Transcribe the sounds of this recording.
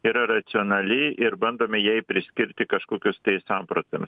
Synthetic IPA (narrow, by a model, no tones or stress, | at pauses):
iːɾɐrɐt̪sʲɪoːnɐlʲɪʔɪɾbɐnd̪oːmʲɛjɛɪpʲɾʲɪsʲkʲɪɾʲt̪ʲɪkɐʃkoːkʲoːst̪ɐɪsɐmpɾot̪ʲɐms